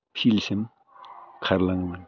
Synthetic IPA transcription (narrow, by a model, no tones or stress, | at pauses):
pʰilsem | kʰaɾlaŋman